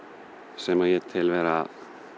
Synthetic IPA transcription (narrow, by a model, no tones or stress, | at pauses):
sɛmajɛt̪ʰɪlvɛːɾa